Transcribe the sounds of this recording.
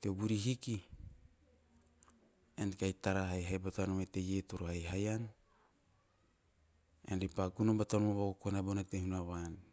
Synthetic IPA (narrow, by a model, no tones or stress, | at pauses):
tebuɾiɦiki | enkajtaɾaɦajɦajbatanomete̞jetoɾohajɦajan | enɾipakunobatanomoβaɡokonabonatehunaβan